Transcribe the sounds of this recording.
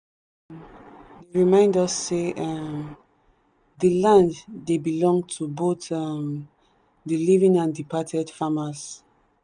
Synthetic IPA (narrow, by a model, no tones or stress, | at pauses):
deɹimãɪ̃ndɔsːe | dəlãnddebilɔ̃ŋɡtʰubotm | dilivĩŋãndipʰatʰɛd̥famas